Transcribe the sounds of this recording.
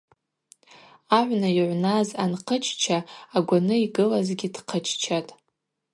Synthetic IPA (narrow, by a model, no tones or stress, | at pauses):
aʕʷnajiʕʷnazanqʰət͡ʃʰt͡ʃʰaːɡʷanɨiɡɨlazɡʲidqʰət͡ʃʰt͡ʃʰatʼ